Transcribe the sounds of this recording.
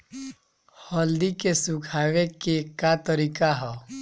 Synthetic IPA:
hɔld̪ikesukʰaʋekekːat̪əɾiːkaɦɛ

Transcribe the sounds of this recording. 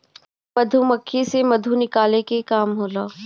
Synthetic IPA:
mɐd̪ʱumɐkʰːisemɐd̪ʱunɪkaːlekekaːmɦoːlaː

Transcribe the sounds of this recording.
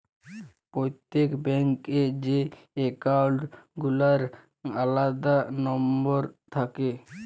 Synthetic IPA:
pɾojt̪ːekbɛŋked͡ʑe | ekawɖɡulaɾ | alad̪anɔmboɾt̪ʰake

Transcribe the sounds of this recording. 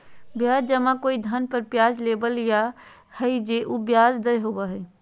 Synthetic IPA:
bjaːd͡ʒd͡ʒəmãkoːid̪ʱənpəɾpjaːd͡ʒlebəlja | həid͡ʒeʔubjaːd͡ʒd̪əjɦobaɦɛ

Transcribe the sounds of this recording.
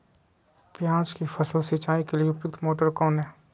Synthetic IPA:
pjãːt͡ʃkifʰɐsəlsit͡ʃaːikelieʊpjʊk̚t̪moːʈəɾkɔːnɦɛː

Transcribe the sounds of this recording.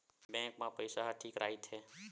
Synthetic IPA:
bɛ̃ŋkmãpəɪsaɦʈʰiːkɾaːit̪ɦeː

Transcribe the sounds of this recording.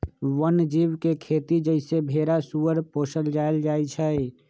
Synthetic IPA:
wənd͡ʒiːwkekʰeːt̪id͡ʒəɪsebʱeːɾasuːəɾpoːsəld͡ʒaːɪld͡ʒaːit͡ʃʰə

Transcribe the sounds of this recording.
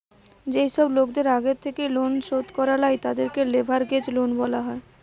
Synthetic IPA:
d͡ʑejʃɔblokd̪eɾaɡet̪ʰːekejlonʃod̪kɔɾalajt̪ad̪eɾkelebʱaɾɡed͡ʑlonbɔlaɦɔe

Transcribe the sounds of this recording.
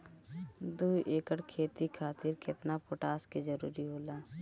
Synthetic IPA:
d̪uːʔeːkəʈkʰeːt̪ikʰaːt̪iːɾkɪt̪napoːʈaːskizəɾṵːɾiɦoːlaː

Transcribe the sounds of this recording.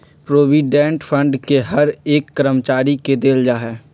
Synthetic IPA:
pɾoːʋiːɖɛ̃ːɳʈfʰə̃ɳɖkeɦɐɾeːkːəɾəmt͡ʃaːɾiked̪eːld͡ʒaːɦɛː

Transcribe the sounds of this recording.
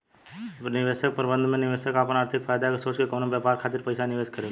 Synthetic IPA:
nɪʋeːsək̚pəɾbə̃nd̪ʱmẽnɪʋeːsəkaːpənaːɾt̪ʰɪkfʰaːjd̪akesoːt͡ʃkekoːnobjaːpaːɾkʰaːt̪ɪɾpɐɪsanɪʋeːd͡ʒkəɾe

